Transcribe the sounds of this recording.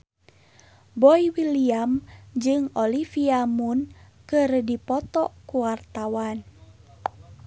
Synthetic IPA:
bɔiwiliamd͡ʒɨŋɔlifiamunkɨrdipɔt̪ɔkuwart̪awan

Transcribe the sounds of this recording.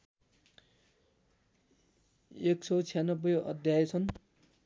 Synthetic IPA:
eksʰʌt͡sʰijanʌbːʌjʌ̰d̪ʱjajʌt͡sʰʌn

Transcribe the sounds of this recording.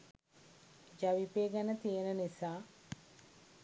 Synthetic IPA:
d͡ʒaʋipeːɡænət̪ijənənisaː

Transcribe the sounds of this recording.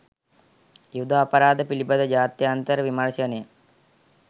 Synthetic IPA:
jud̪ʱaːpɐɾaːd̪əpilibɐd̪əd͡ʒaːt̪jɐːnt̪əɾəʋimɐɾʃɐnəjə

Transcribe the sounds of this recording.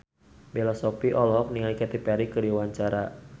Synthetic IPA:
bɛlɔsɔpiʔɔlɔɦɔk̚niŋalikɛt̪ipɛɾikɨdiwaɲt͡ʃaɾa

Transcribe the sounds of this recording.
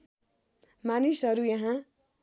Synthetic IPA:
manisɦʌɾujʌɦã

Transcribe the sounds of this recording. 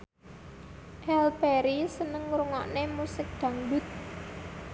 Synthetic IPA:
ʔɛlpeɾisənəŋɾuŋɔ̰ʔnemusɪk̚d̪̥ä̤ŋbʊt̪̚

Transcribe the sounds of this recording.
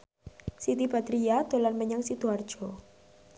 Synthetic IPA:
sit̪ibat̪ɾiad̪̥o̤lanməɲaŋsit̪uard̥ʒ̥ɔ

